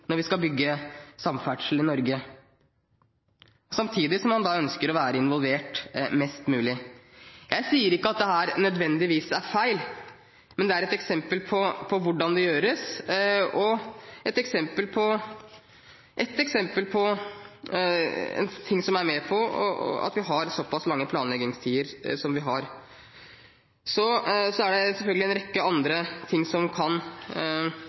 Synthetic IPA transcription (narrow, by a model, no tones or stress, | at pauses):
nɔɾʋɪskɑlbʏɡːəsɑmfæʈʂl̩ɪnɔɾɡə | sɑmt̪ʰiːd̪ɪsɔmːɑnd̪ɑːœnskəɾɔʋæːɾəɪnʋɔlʋeːʈmɛst̪mʉːlɪ | jʔæɪsiːəɾɪkːəɑt̪̚d̪ɛɦæːɾnœd̪ʋɛnd̪ɪʋiːsæɾfæɪl | mɛnd̪ɛæɾɛt̪ɛksɛmpəlpʰɔpʰɔʋʊɖɑnd̪ɛjøːɾəs | ɔʔɛt̪ɛksɛmpəlpʰɔ | ʔɛt̪ɛksɛmpəlpʰɔ | ɛ̰nt̪ʰɪŋːsɔmæɾmɛpʰɔɔ̰ɑ̰t̪ʋɪɦɑɾsɔpːɑslɑŋːəpʰlɑːnlɛɡnɪŋst̪ʰiːəɾsɔmʋɪɦɑɾ | sɔsɔæɖɛsɛlfœlɡəlɛnɾɛkːəɑnd̪ɾət̪ʰɪŋːsɔmkʰɑn